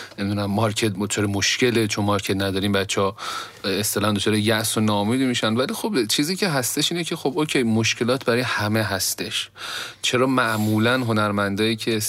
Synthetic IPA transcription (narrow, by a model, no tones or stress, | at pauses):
ne̞mid̪unæmːɒɾcʰet̪t͡ʃʰɒːɾemoʃce̞let͡ʃʰonmɒɾcʰet̪næd̪ɒːɾiːmbætt͡ʃʰːɒ | est̪elænd̪ot͡ʃʰɒːɾejæʔsonɒmiːd̪miʃænvælixobt͡ʃʰiːziːcʰe̞ɦæst̪e̞ʃiːnecʰe̞xo̞bocʰe̞jmoʃce̞lɒːt̪ʰbæɾɒjhæmeɦæst̪e̞ʃt͡ʃʰe̞ɾɒːmæʔmuːlænɦo̞næɾmænd̪ɒːjiːcʰe